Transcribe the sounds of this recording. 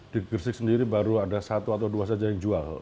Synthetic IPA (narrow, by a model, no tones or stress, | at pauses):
d̥iɡərsɪk̚səndiɾibaɾuadasat̪uat̪awduas̬ad͡ʒajaŋd͡ʒual